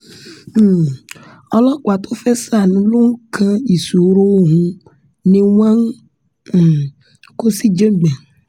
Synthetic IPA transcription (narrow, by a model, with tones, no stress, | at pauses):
ɔ˦lɔ˦kwa˨t̪o˦fe˦sa˦˨nũ˦lo˦ŋ̩˦kʰã˦i˨su˨˦ɾo˦wo˦ɦũ˦ | nẽ˦wã˦ŋ̩˦˨ | ko˦si˦d͡ʒe˦ɡ͡bɛ˨